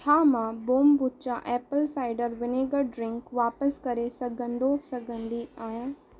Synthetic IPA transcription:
tʰaːmãboːmbʊtt͡ʃaʔɛːpəlsaːɪɖəɾʋɪneːɡəɖɾɪ̃ŋkʋaːpəskɐɾesɐɡə̃nd̪osɐɡə̃nd̪iaːjaː

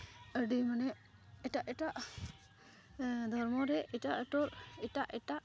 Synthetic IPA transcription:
əɖimanɛ | ɛʈaʔɛʈaʔ | d̪ʱɔɾmɔɾɛʔɛʈaʔəʈɔɾɛʈaʔɛʈaʔ

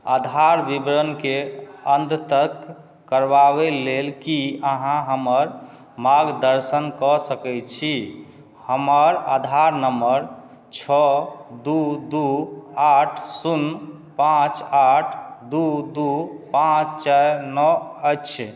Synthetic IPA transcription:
ad̪ʱaɾbibɾənkeənd̪t̪əkː | əɾbaβelelkiəɦãɦəməɾ | maɡd̪əɾsənkɔsəkɛt͡ʃʰi | həməɾad̪ʱaɾnəməɾ | t͡ʃʰɔd̪ud̪uaʈʰsun | pãt͡ʃaʈʰd̪ud̪upãt͡ʃt͡ʃaɾnɔət͡ʃʰ

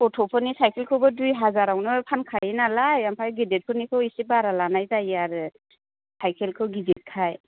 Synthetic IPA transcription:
ɔtʰɔpʰɯnisajkʰelkʰɯwbɯdujɦazaɾawnɯpʰankʰajinalajampʰajɡidet̚pʰɯnikʰɯwisibaɾalanajzajaɾɯ | sʰajkʰelkʰɯwɡizit̚kʰaj

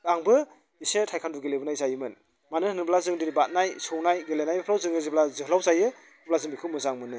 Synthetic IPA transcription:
aŋbɯ | isetʰajkʰanduɡelebɯnajzajɯmɯn | manɯhɯnɯblazɯŋdiɾibat̚najsɔwnajɡelenajbapʰlawzɯŋɯziblazɯhʰlawzajɯ | plazɯŋbikʰɯmɯzaŋmɯnɯ

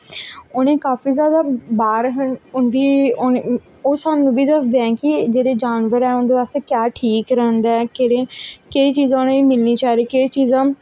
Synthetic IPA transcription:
ʊnẽːkaːfiːzjaːd̪aːbaːɾɦənʊnd̪iːn | oːsaːnũːbiːd̪əsd̪eːɛ̃ːkɪd͡ʒeːɽeːd͡ʒaːnʋəɾɛːʊ̃nd̪eːʋaːsekjaːʈʰiːkɾɛɦnd̪ɛːkeɾeːkeiːt͡ʃiːzãːʊnẽːimɪlniːt͡ʃaːɾeːket͡ʃiːzãː

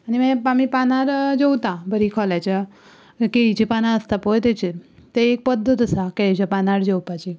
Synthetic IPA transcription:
animẽpamipanaɾd͡ʑewt̪abəɾikʰɔlat͡ɕa | keit͡ɕipanaəst̪apojt̪et͡ɕet̪eek̚pəd̪ʱːət̪əsaket͡ɕapanaɾd͡ʑewpat͡ɕi

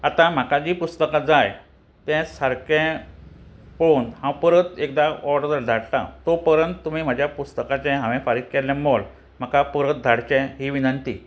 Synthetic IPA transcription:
at̪ãm̤akad͡ʑiːpust̪əkad͡zaj | t̪ɛ̃səɾkɛ̃ | ponhãwpəɾət̪ekd̪aɔɖd̪əɾd̪ʱaɽta̰t̪opəɾənt̪ːum̤iːm̤ad͡ʑʱjapust̪əkat͡ɕɛ̃ɦãʋɛ̃faɾit̪̚kɛljãmol | m̤akapəɾət̪̚d̪ʱaɽt͡ɕɛ̃ɦiːʋinənt̪iː

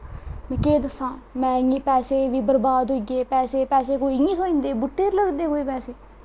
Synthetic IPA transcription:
mɛ̃keːd̪əsːãːmɛ̃ːĩːpɛːseːʋiːbəɾbaːd̪ɦoːiɡeːpɛːseːpɛːseːkoːiːĩːsoːĩːnd̪eːbʊʈːeːɾləɡd̪eːkoːiːpɛːseː

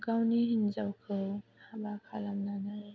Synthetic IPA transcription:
ɡawniɦinzawkʰɯhabakʰalamnanaj

